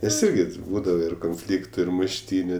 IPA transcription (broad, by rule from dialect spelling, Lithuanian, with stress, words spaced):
nʲɛs ˈɪrʲɡʲɪ tʲɪ ˈbuːdɐʋɐ ɪr koːnʲˈfʲlʲiːktʊ ɪr mʊʃʲˈtʲiːnʲʊ